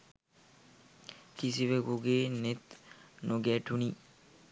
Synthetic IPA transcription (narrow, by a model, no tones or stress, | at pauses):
kisiʋeɡoɡeːnet̪nʔoɡɛːʈuni